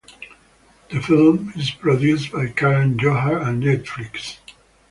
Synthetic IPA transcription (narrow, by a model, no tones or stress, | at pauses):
ðəfɪlˠmɪzpʰɹɔdjusbaɪkʰæɹə̃nd͡ʒoɦəɹə̃nːnɛtflɪks